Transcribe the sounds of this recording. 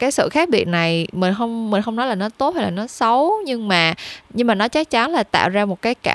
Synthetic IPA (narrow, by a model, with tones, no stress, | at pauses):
kaː˨˦jsɨ̰˧˨xaː˦˥k̚ɓḭ˨ət̚na˨˩jmï̟˨˩xə˧wŋ͡mmi˨˩ŋ̟xə˧wŋ͡mnɔ˨˦jlaː˨˩nɔ˨˦t̪o˨˦˥t̚ha˧jlaː˨˩nɔ˨˦sə˨˦wɲɨ˧ŋmaː˨˩ɲɨ˧ŋmaː˨˩nɔ˨˦t͡ɕə˦˥k̚t͡ɕa˨˦nlaː˨˩t̪a̰ː˧˨wzaː˧mo˨˩t̚kaː˨˦jka̰ː˧˩